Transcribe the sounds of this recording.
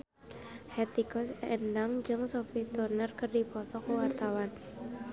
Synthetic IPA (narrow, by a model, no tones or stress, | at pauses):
hɛt̪ikɔsɛndaŋd͡ʒɨŋsofit̪ɔrnərkərdipɔt̪ɔkəwart̪awan